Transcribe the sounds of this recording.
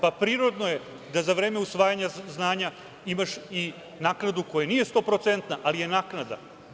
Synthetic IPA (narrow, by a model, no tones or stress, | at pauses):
papɾiːɾo̞d̪no̞je | d̪azaʋɾe̞ːmeusʋaːjaɲaznaːɲa | imaʃi | naːknad̪uko̞janije̞st̪o̞pɾo̞t̪sent̪naʔalije̞naːknad̪a̰